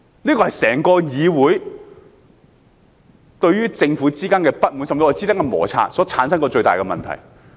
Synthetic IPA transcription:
niː˥kɔː˧hɐ˨jsɛː˨˩ŋkɔː˧jiː˨˧wuː˨˥j | t̪ɵ˧ɥɥyː˥t͡sɪ˧ŋfuː˨˥t͡siː˥kaː˥nkɛː˧pɐ˥t̚mu˨˥nsɐ˨mt͡si˧ɔː˨˧˩t͡siː˥t̪ɐ˥kːɐ˧mɔ̰ː˨˩t͡sʰa̰ː˧sɔː˨˥t͡sʰaː˨˥nsɐ˥nkɔː˧t͡ʃɵ˧ɥt̪aː˨jkɛː˧mɐ̰˨nt̪ʰɐ̰˨˩j

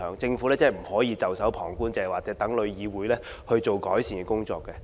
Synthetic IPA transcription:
œː˨˥ŋt͡sɪ˧ŋfuː˨˥lɛː˥t͡sɛ˥˩m̩˨˩hɔː˨˥jiː˧t͡sɐ˨wsɐ˨˥wpʰɔː˨˩ŋkuː˥nt͡sɛː˧˩waː˨k̚t͡sɛː˨˥t̪ɐ˨˥ŋlɵ˨˧ɥjiː˨˧wuː˨˥jlɛː˥ | hɵ˧ɥt͡so˨wkɔː˨˥jsiː˨˩nkɛ˧˥kʊ˥ŋt͡sɔ̰ː˧kːɛ˧

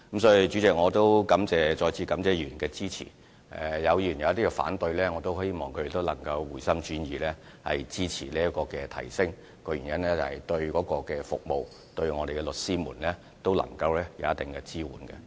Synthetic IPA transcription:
kɐ˦msɔː˨˥ji˨˧t͡ʃy˨˥t͡sɪ˨k̚ŋɔː˨˧t̪o˥wkɐ˨˥mt͡sɛː˨˧t͡ʃɔː˧jt͡sʰiː˧kɐ˨˥mt͡sɛː˨˧jyː˨˩nkɛː˧t͡siː˥t͡sʰḭː˨˩ | ʔɛ̰˨jɐ˨˧wjyː˨˩njɐ˨wɐ˥t̪iː˥kɛ˧fa̰ː˨˥nt̪ɵ˧ɥlɛː˥ŋɔ˨˧t̪o˥whe˥jmɔː˨ŋkʰɵ˧de˨˩t̪o˥wlɐ˨˩ŋkɐ˧wwuː˨˩jsɐ˥mt͡ʃyː˨˥njiː˨lɛː˥ | hɐ˨jt͡siː˥t͡sʰḭː˨˩liː˥jɐ˥t̚kɔː˧kɛː˧t̪ʰɐ̰˨˩jsɪ˥ŋ | kɔː˧jyː˨˩njɐ˥nlɛː˥t͡sɐ˨˩hɐ˨˩jt̪ɵ˧ɥkɔː˨˥kɔː˧kɛː˧fʊ̰˨k̚mo˨w | t̪ɵ˧ɥŋɔː˨˧d̪e˨jkɛ˧lɵ˨t̚siː˥muː˨˩nlɛː˥ | t̪o˥wlɐ̰˨˩ŋkɐ˧wlɛː˥jɐ˨˧wjɐ˥t̪̚ɪ˨ŋkɛ˧t͡siː˥wṵː˨˩nkɛ̰˧

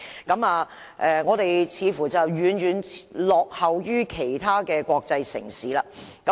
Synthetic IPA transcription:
kɐ˨˥maː˨˧ | ʔɛ˨ŋɔː˨˧t̪e˨jt͡sʰiː˨˧fuː˨˩t͡sɐ˨˩wjyː˨˥nɥyː˨˧nlɔː˨k̚hɐ˨wjyː˥kʰe˨˩jt̪ʰaː˥kɛː˧kʷɔː˧k̚t͡sɐ˧jsɪ̰˨˩ŋsiː˨˦laː˧kɐ˨˦

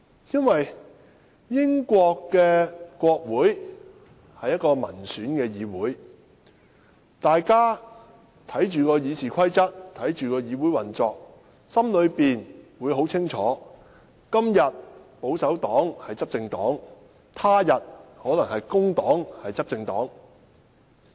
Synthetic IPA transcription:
jɐ˥nwɐ˨j | jɪ˥ŋkʷɔː˧kːɛː˧kʷɔː˧k̚wuː˨˥j | hɐ˨jːɐ˥t̚kɔː˧mɐ̰˨˩nsyː˨˥nkɛː˧jiː˨˧wuː˨˥j | t̪aː˨jkaː˥ | t̪ʰɐ˨˥jt͡ʃyː˨kɔː˧jiː˨˧sʰiː˨˩kʷʰɐ˥jt͡sɐ˥t̚t̪ʰɐ˨˥jt͡ʃyː˨˩kɔː˧jiː˨˧wuː˨˥jwɐ˨˩nt͡sɔː˧k̚ | sɐ˥mlɵ˨˧ɥpiː˨nwuː˨˧jɦo˨˥wt͡sʰɪ˥ŋt͡ʃʰɔː˨˥ | kɐ˥mjɐ˨t̚po˨˥wsɐ˨˥wt̪ɔː˨˥ŋhɐ˨jt͡sɐ˥p̚t͡sɪ˧ŋt̪ɔː˨˥ŋ | t̪ʰaː˥jɐ˨t̚hɔː˨˥lɐ˨˩ŋhɐ˨jkʊ˥ŋt̪ɔː˨˥ŋhɐ˨jt͡sɐ˥p̚t͡sɪ˧ŋt̪ɔ̰ː˨˥ŋ

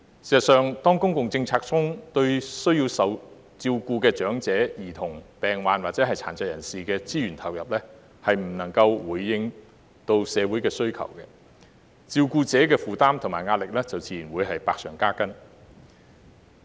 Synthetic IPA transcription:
siː˨˩sɐ˨t̚sœː˨ŋt̪ɔː˥ŋkʊ˥ŋkʊ˨ŋt͡sɪ˧ŋt͡sʰaː˧k̚t͡sʰʊ˥ŋt̪ɵ˧ɥsɵ˥ɥjiː˧wsɐ˨˧w | t͡siː˧wkuː˧kɛː˧t͡ʃœː˨˥ŋt͡sɛː˨˥jiː˨˩t̪ʰʊ˨˩ŋpɛː˨˩ŋwaː˨nwaː˨k̚t͡sɛː˨˥ɦɐ˨jt͡sʰa̰ː˨˩nt͡sɐ˨jɐ̰˨˩nsiː˨kɛː˧t͡siː˥ɥyː˨˩nt̪ʰɐ˨˩wjɐ̰˨˩p̚lɛ˥ | hɐ˨jm̩˨˩nɐ˨˩ŋkɐ˧wwuː˨˩jːɪ˧ŋ | t̪o˧wsɛː˨˧wuː˨˥jkɛː˧sɵ˥ɥkʰɐ̰˨˩wkɛ˧ | t͡siː˧wkuː˧t͡sɛː˨˥kɛː˧fuː˨t̪aː˥mt̪ʰʊ˨˩ŋmaː˨jŋaː˧t̚lɪ˨k̚lɛː˥t͡sɐ˨wt͡sʰiː˨ji˨˩nwuː˨˧jɦɐ˨jpaː˧k̚sœː˨˩ŋkaː˥kɐ˥n

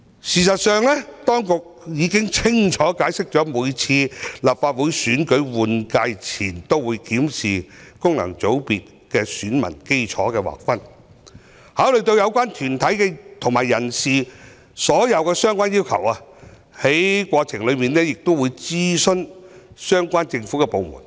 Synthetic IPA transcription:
siː˨sɐ˨t̚sœː˨ŋlɛː˥t̪ɔː˥ŋkʊ˨k̚jiː˨˧˥kɪ˥ŋt͡sʰɪ˥ŋt͡ʃʰɔː˨˥kaː˨˥jsɪ˥k̚t͡ʃɔː˨˥muː˨˧jt͡sʰiː˧lɐ˨p̚faː˧t̚wuː˨˥jsyː˨˥nkɵ˨˥ɥwuː˨nkaː˧jt͡sʰiː˨˩nt̪o˥wwuː˨˧jkiː˨˥msiː˨˩kʊ˥ŋlɐ̰˨˩ŋt͡so˨˥wpiː˨t̚ | kɛː˧syː˨˥nmɐ̰˨˩nke˥jt͡ʃʰɔ̰ː˨˥kɛː˧wa̰ː˨k̚fɐ˥n | haː˨˥wlɵ˨ɥt̪o˧wjɐ˨˧wkʷwaː˥nt̪ʰyː˨˩nt̪ʰɐ˨˥jkɛ˧t̪ʰʊ˨ŋmaː˨˩jːɐ˨˩nsiː˨˩ | sɔː˨˥jɐ˨˧wkɛː˧sœː˥ŋkʷaː˥njiː˥wkʰɐ̰˨˩wa˧ | he˨˥jkʷwɔː˧t͡sʰɪ˨˩ŋlɵ˨˧miː˨nːɛː˥jɪ˨k̚t̪o˥wuː˨˧jt͡siː˥sɵ˥n | sœː˥ŋkʷaː˥nt͡sɪ˧ŋfu˨˥kɛː˧po˨˧wmṵ˨˩n

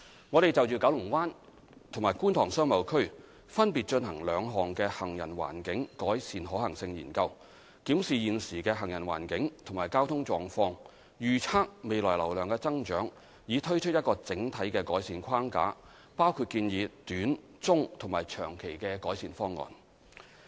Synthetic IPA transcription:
ŋɔː˨˧ɾe˨jt͡sɐ˨wt͡ʃyː˨kɐ˨˥wlʊ˨˩ŋwaː˥n | t̪ʰʊ˨˩maː˨˩jkuː˥nt̪ʰɔː˨˩ŋsœː˥ŋmɐ˨˧wkʰɵ˥ɥ | fɐ˥npiː˨t̚t͡ʃɵ˧nhɐ˨˩ŋlœː˨˧ŋɦɔː˨˩ŋkɛː˧hɐ˨˩ŋjɐ̰˨˩nwa̰ː˨˩nkɪ˨˥ŋkɔː˨˥jsiː˨nɦɔː˨˥hɐ˨˩ŋsɪ˧ŋjiː˨˩nkɐ˧w | kiː˨˥msiː˨jiː˨nsiː˨˩kɛː˧ɦɐ˨˩ŋjɐ˨˩nwa̰ː˨˩nkɪ˨˥ŋt̪ʰʊ˨˩ŋmaː˨˩jkaː˥wt̪ʰʊ˥ŋt͡sɔː˨˧ŋfɔː˧ŋ | jyː˨t͡sʰaː˥k̚me˨˧jlɔː˨˩jlɐ˨˩wlœː˨ŋkɛː˧t͡sɐ˥ŋt͡ʃœː˨˥ŋ | jiː˨˧t̪ʰɵ˥ɥt͡ʃʰt̚jɐ˥t̚kɔː˧t͡sɪ˨˥ŋt̪ʰɐ˨˥jkɛː˧kɔː˨˥jsiː˨˧nkʷʰaː˥ŋka̰ː˨˥ | paː˥wkʰu˧t̚kiː˧njiː˨˧t̪yː˨˥n | t͡sʊ˥ŋt̪ʰʊ˨˩ŋmaː˨˩jt͡ʃʰœː˨˩ŋkʰe˨˩jkɛː˧kɔː˨˥jsiː˨nfɔː˥ŋːɔ̰ː˨˩n

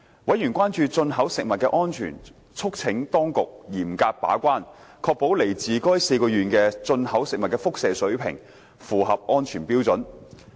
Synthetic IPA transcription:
wʔɐ˨˥jyː˨˩nkʷaː˥nt͡ʃyː˧t͡sɵ˧nɦɐ˨˥wsɪ˨k̚mɐ˨t̚kɛː˧ʔɔː˥nt͡ʃʰy̰ː˨˩n | t͡ʃʰʊ˥k̚t͡sʰɪ˨˥ŋt̪ɔː˥ŋkʊ˨k̚jiː˨˩mkaː˧k̚pa̰ː˨˥kʷwaː˥nkʰɔː˧k̚po˨˥wle˨˩jt͡siː˨kɔː˥jse˧jkɔː˧jyː˨nkɛː˧t͡sɵ˧nhɐ˨˥wsɪ˨k̚mɐ˨t̚kɛː˧fʊ˥k̚sɛː˨sɵ˨˥ɥpʰɪ̰˨˩ŋ | fuː˨˩ɦɐ˨p̚ʔɔː˥nt͡ʃʰyː˨˩npiː˥wt͡sɵ˨˥n

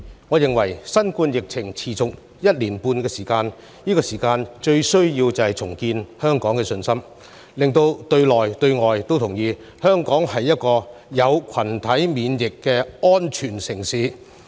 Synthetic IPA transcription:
ŋɔː˨˧jɪ˨ŋwɐ˨˩jsɐ˥nkuː˧njɪ˨k̚t͡sʰɪ˨˩ŋt͡sʰiː˨˩t͡sʊ˨k̚ | jɐ˥t̚liː˨˩npuː˧nkɛː˧siː˨˩kaː˧n | jiː˥kɔː˧siː˨˩kaː˧nt͡ʃɵ˧ɥsɵ˥ɥjiː˧wt͡sɐ˨˩hɐ˨jt͡sʰʊ˨˩ŋkiː˧nhœː˥ŋkɔː˨˥ŋkɛː˧sɵ˧nsɐ˥m | lɪ˨ŋt̪o˧wt̪ɵ˧ɥlɔː˨˩jt̪ɵ˧ɥŋɔː˨jt̪o˥wt̪ʰʊ˨˩ŋjiː˨˧ | hœː˥ŋkɔː˨˥ŋɦɐ˨jːɐ˥t̚kɔː˧jɐ˨˧wkʰɐ˨˩nt̪ʰɐ˨˥jmiː˨˧njɪ˨kːɛː˧ɔː˥nt͡ʃʰyː˨˩nsɪ˨˩ŋsiː˨˥

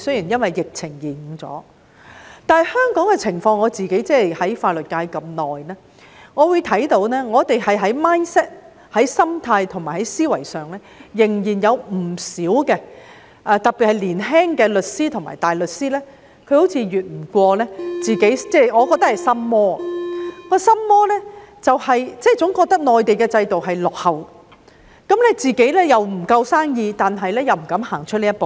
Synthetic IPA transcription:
sɵ˥ɥjiː˨˩njɐ˥nwɐ˨jːɪ˨k̚t͡sʰɪ˨˩ŋjiː˨˩˨ŋt͡sɔ̰ː˨˥ | t̪aː˨˧nhɐ˨˧jhœː˥ŋkɔː˨˥ŋkɛ˧t͡sʰɪ˨˩ŋfɔː˧ŋɔː˨˧t͡siː˨˩ke˨˥jt͡sɛː˥˨jhɐ˨˥jfaː˧t̚lɵ˨t̚kaː˧jkɐ˧mnɔː˨jnɛː˥ | ŋɔː˨˧wu˨˧jt̪ʰɐ˨˥jt̪o˨˥wnɛː˥ŋɔː˨˧t̪e˨jhɐ˨jɦɐ˨˥jmaː˥nsɛ˥t̚ | hɐ˨˥jsɐ˥mt̪ʰaː˧jt̪ʰʊ˨˩ŋmaː˨˩hɐ˨˥jsiː˥wɐ˨˩jsœː˨˩ŋlɛː˥jɪ˨˩ŋjiː˨˩njɐ˨˧wm̩˨˩siː˨˥wkɛː˧ | ʔɐː˧t̪ɐ˨k̚piː˨t̚hɐ˨jliː˨˩nɦɛː˥ŋkɛː˧lɵ˨t̚siː˥t̪ʰʊ˨˩ŋma̰ː˨˩jt̪aː˨˩jlɵ˨t̚siː˥lɛː˥ | kʰɵ˨˧ho˨˥wt͡sʰiː˨˧ɥyː˨t̚m̩˨˩kʷɔː˧lɛː˥t͡siː˨ke˨˥jt͡sɛː˥˩ŋɔː˨˧kɔ˧k̚t̪ɐ˥hɐ˨jsɐ˥mmɔː˥a˨kɔː˧˥sɐ˥mːɔː˥lɛ˥t͡sɐ˨whɐ˨jt͡sɛː˥˩t͡sʊ˨˥ŋkɔː˧k̚t̪ɐ˥k̚nɔː˨jt̪e˨jkɛː˧t͡sɐ˧jt̪o˨wɦɐ˨jlɔ˨k̚hɐ˨˩w | kɐ˨˥mlɛ˥t͡siː˨˩ke˨˥jlɛː˥jɐ˨wm̩˨˩kɐ˧wsaː˥ŋjiː˧t̪aː˨nɦɐ˨jlɛː˥jɐ˨wm̩˨˩kɐ˨˥mhaː˨˩ŋt͡ʃʰɵ˥t̚niː˥tpo˨w

